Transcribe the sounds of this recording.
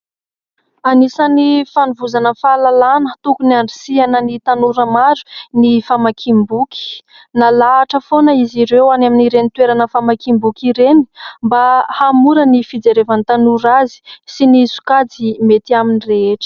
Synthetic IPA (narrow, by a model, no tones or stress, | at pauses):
anisanifanuvuzanəfalalanət̪ukuniaɳɖ͡ʐisianənit̪anuɾəmaɾu̥nifamakʰimbukʲi̥ | nalaːʈ͡ʂəfonəiziɾewanaminiɾenit̪weɾanəfamakimbukiɾeni̥mbahamuɾənifid͡zeɾevant̪anuɾazi̥sinisu̥kad͡zimet̪iaminireeʈ͡ʂə̥